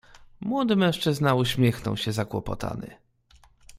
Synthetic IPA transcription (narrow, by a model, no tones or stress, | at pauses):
mwɔd̪ɘmɛ̃w̃ʂt͡ʂɘznauɕmʲjɛxnɔ̰wɕɛzakwɔpɔ̰t̪ʰa̰nɘ̰